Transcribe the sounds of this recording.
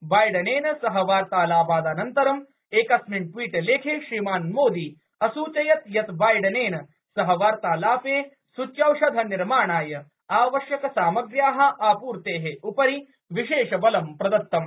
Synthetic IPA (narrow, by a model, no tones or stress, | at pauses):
baːjɖɐneːnɐsɐɦɐʋaːɾt̪aːlaːbaːd̪aːnɐnt̪ɐɾɐm | eːkɐsmiɳʈwiːʈɐleːkʰeːʃɾimaːnmoːd̪iː | ɐsuːt͡ʃɐjɐt̪jɐt̪baːjɖɐneːnɐ | sɐɦɐ̆ʋaːɾt̪aːlaːpeː | sut͡ʃjɐwʃɐd̪ʱɐniɾmaːɳaːjɐ | aːʋɐʃjɐkɐsaːmɐɡɾjaːɦɐ̆ʔaːpuːɾt̪eːɦeupɐɾi | ʋiʃeːʃɐbɐlɐmpɾɐd̪ɐt̪ːɐm